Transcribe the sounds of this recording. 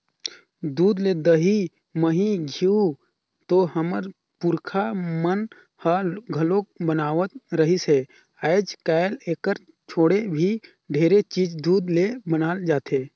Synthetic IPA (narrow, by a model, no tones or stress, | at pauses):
d̪uːd̪led̪əɦi | məɦiɡʱiu | t̪ohəməɾ | pʊɾkʰamən | həɡʱəlõkbənaːʋət̪̚ɾəɦise | aːɪd͡ʒkaːleːkəɾ | t͡ʃʰoːɽebʱi | ɖʱeːɾet͡ʃiːd͡ʒd̪uːd̪lebənaːld͡ʒaːt̪eː